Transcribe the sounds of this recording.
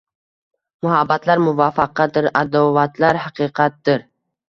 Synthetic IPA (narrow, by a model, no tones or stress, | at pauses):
mʊhabːat̪laɾmʊvafaqɑd̪ɪɾad̪owat̪ʰlaɾhaqʰɨqʰɑt̪̚d̪ɪɾ